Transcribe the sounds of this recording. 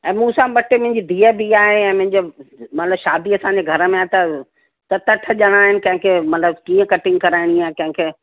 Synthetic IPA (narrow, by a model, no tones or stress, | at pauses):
ɛ̃ːmũːsãɓɐʈemʊ̃ɦɪ̃ɲd͡ʑiːd̪ʱiːəbiaːɦeɛ̃ːmʊ̃ɦɪ̃ɲd͡ʑomɐt̪ɪləbʃaːd̪iɐsãːɲd͡ʑeɡʱɐɾəmẽaːt̪ɐ | t̪ɐt̪ɐʈʰəʄəɽ̃aːɦɪnɪ̆kɐ̃ɦɪ̃kʰeːmɐt̪ləbkĩːə̃kɐʈɪ̃ŋɡ̚kɐɾaːɪɽ̃iakɐ̃ɦɪ̃kʰeː